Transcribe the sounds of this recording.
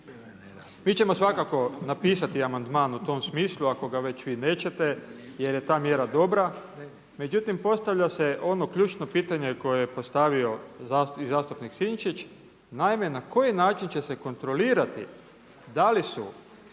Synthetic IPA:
miːt͡ʃemo̞sʋakako̞napiːsat̪iamand̪maːnut̪o̞msmiːslˠuako̞ɡaʋe̞t͡ɕʋiːne̞ːt͡ɕe̞t̪e̞je̞ɾje̞t̪aːmje̞ɾad̪o̞bɾa | me̞d͡ʑut̪impo̞st̪aʋʎase̞ʔo̞no̞kʎuːt͡ʃno̞piːt̪aɲe̞ko̞jejepo̞st̪aʋio̞zaizaːst̪upniksiɲt͡ʃit͡ʃ | naime̞nako̞jinaːt͡ʃint͡ɕe̞se̞ko̞nt̪ɾo̞liːɾat̪ḭ | d̪alisu

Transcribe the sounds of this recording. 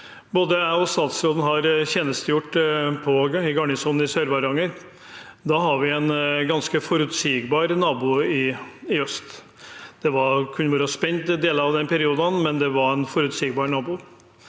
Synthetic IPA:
boːd̪əæɔst̪ɑːt̪sɾoːd̪ən̩ɦɑɾçɛːnəst̪əjʊʈːpʰɔɪɡɑɳɪsuːnɪsœɾʋɑɾɑŋəɾ | d̪ɑɦɑɾʋɪɛnɡɑnskəfɔɾʉt̪siɡbɑːɾnɑːbuːɪɪœst̪ | d̪̥ɛʋɑɾkʰʉnbɔɾəspɛnt̪d̪eːləɾɑʋd̪ɛnpʰɛɾɪuːd̪ɑnmɛnd̪ɛʋɑɾænfɔɾʉt̪siːɡbɑːɾnɑːbuː

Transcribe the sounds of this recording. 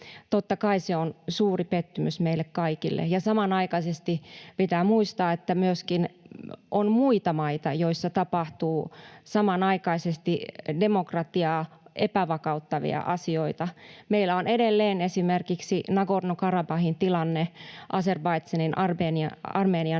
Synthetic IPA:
t̪ot̪ːɑkɑiseonsuːripet̪ːymysmeilːekkɑikilːḛjɑsɑmɑnɑikɑisest̪ipit̪æːmuist̪ɑːet̪ːæmyøskinʔonmuit̪ɑmɑit̪ɑjoisːɑt̪ɑpɑht̪uːsɑmɑnɑikɑisest̪idemokrɑt̪iɑːʔepæʋɑkɑut̪ːɑʋḭɑ̰ʔɑsioit̪ɑmeilːæonedelːeːnesimerkiksinɑɡodnokɑrɑbɑhint̪ilɑnːeʔɑserbɑit̪sɑninʔɑreniɑɑrmeːniɑ

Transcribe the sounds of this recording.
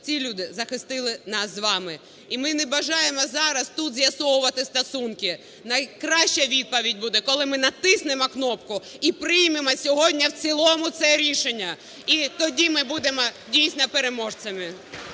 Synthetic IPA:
t͡sʲilʲud̪ɪzɐxɪst̪ɪlˠɪnɑszʋɑmɪ | imɪnɛbɐʒɑjemɔzɑɾɐst̪ut̪zʲjɐsɔwʊʋɐt̪ɪst̪ɐsunkɪ | nɐjkɾɑʃt͡ʃɐʋʲid̪̚pɐʋʲidʲbud̪ɛkɔlˠɪmɪnɐt̪ɪsnemɔknɔpkʊipɾɪjmemɔsʲɔɦɔdʲnʲɐwt͡sʲilˠɔmʊt̪sɛɾʲiʃenʲːɐ | it̪ɔdʲimɪbud̪emɔdʲijsʲnɔpeɾemɔʒt͡ssɐmɪ

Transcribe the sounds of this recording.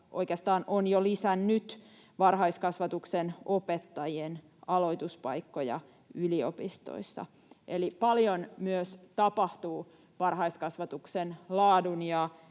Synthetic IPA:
ʔo̞̰ikeɑst̪ɑːnʔonjolisænnyt̪ | ʋɑrɦɑiskɑsʋɑt̪uksenopet̪ːɑjien | ɑlo̞it̪uspɑikːojɑ̰ | yliopist̪o̰isːɑ̰ | ʔelipɑljonmyøst̪ɑpɑht̪uː | ʋɑrɦɑiskɑsʋɑt̪uksenlɑːdunjɑ

